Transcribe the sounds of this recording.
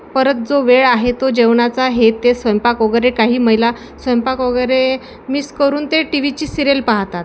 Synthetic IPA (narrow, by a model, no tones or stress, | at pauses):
pəɾət̪̚d͡zoʋeɭaɦet̪od͡ʑeʋɳat͡saɦet̪ːesʋəjmpakoɡɾekaɦiːməjla | sʋəjmpakʋəɡɾe | miskəɾuːnt̪eʈiʋit͡ɕiːsiɾelpaɦt̪at̪